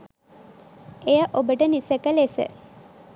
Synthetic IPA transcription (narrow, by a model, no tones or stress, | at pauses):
ejəʔobəʈənisəkəlesə̰